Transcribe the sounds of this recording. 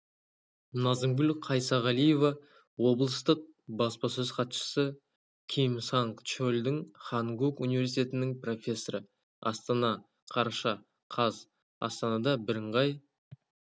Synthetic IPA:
nɑzəŋɡʊlqʰɑjsɑʁɑlije̞vɑ | wo̞blˠəst̪əq̚bɑspɑsɵzqʰɑt̪ʃə̥sə | kʲʰejmsɑŋkt͡ʃolʲd̪ɪŋχɑŋɡukunivʲe̞ɾs̬it̪ʰʲe̞t̪ɪnɪŋpro̞fʲe̞sːoɾə | ɑ̰st̪ɑnɑ | qʰɑɾɑʃɑ | qʰɑz | ɑ̰st̪ɑnɑd̪ɑbɪɾɪɴʁɑj

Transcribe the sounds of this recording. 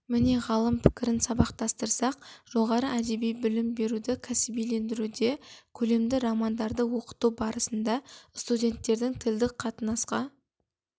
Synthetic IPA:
mɪne̞ʁɑlˠəmpʰɪ̥kʲɪɾɪnsɑbɑqt̪ɑst̪əɾsɑq̚ʒ̥o̞ʁɑɾəæd̪e̞bijbɪlɪmbe̞ɾud̪ɪkʲʰæsɪbijle̞nd̪ɪɾud̪e̞kʲʰɵle̞md̪ɪɾɑmɑnd̪ɑɾd̪əwo̞qə̥t̪ubɑɾəsənd̪ɑst̪udʲe̞nt̪ːe̞ɾd̪ɪŋt̪ʰɪld̪ɪk̚qʰɑt̪ənɑsqɑ

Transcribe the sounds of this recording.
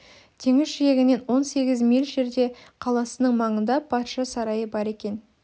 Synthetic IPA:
t̪ʰe̞ŋɪzʃijeɡʲɪne̞nwo̞nse̞ɡʲɪzmilʲʒe̞ɾd̪e̞qʰɑlˠɑsənəɴmɑɴənd̪ɑpʰɑt̪ʃɑsɑɾɑjəbɑɾe̞kʲe̞n

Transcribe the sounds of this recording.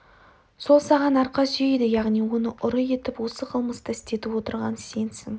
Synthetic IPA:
so̞lˠsɑʁɑnɑɾqɑsijejd̪ɪjɑʁnijwo̞nəʔʊɾəje̞t̪ɪpwo̞səqʰəlˠməst̪əɪst̪e̞t̪ɪpwo̞t̪əɾʁɑnse̞nsɪŋ

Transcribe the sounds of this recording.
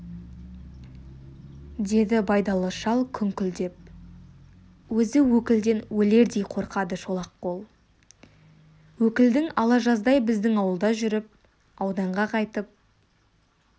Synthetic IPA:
d̪e̞d̪ɪbɑjd̪ɑlˠəʃɑlˠkʲʰʏŋkʲʏld̪e̞p̚ | wɵzɪwɵkʲɪld̪e̞nwɵle̞ɾd̪ejqʰo̞ɾqɑd̪əʃo̞lˠɑqːo̞lˠ | wɵkʲɪld̪ɪŋɑlˠɑʒɑzd̪ɑjbɪzd̪ɪŋɑwəlˠd̪ɑʒʏɾɪp̚ | ɑwd̪ɑɴʁɑqʰɑjt̪əp̚

